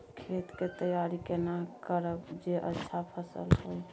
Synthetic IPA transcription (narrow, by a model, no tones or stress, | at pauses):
kʰet̪ket̪əjaɾikenakəɾəbd͡ʒeʔə̰tːʃʰapʰəsə̰lɦoj